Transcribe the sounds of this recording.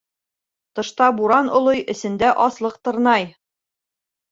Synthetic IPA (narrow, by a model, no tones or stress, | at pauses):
t̪ɤ̆ʃt̪ɑbuɾɑnŏlˠɤjʔɘ̆sɘ̆nd̪æʔɒslˠɤq̚t̪ɤ̆ɾnɑj